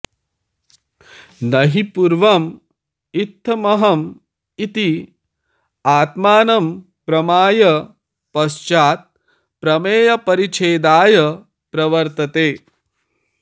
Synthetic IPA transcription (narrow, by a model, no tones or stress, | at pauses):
nɐɦipuɾʋɐm | it̪ʰːɐmɐɦɐm | it̪i | aːt̪maːnɐm | pɾɐmaːjɐ | pɐst͡ʃaːt̪̚ | pɾɐmeːjɐpɐɾit͡ʃʰeːd̪aːjɐ | pɾɐʋɐɾt̪ɐt̪eː